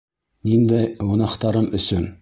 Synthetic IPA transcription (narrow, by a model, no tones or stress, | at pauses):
nind̪æjŏnɑqt̪ɑɾɤmɵ̆sɵn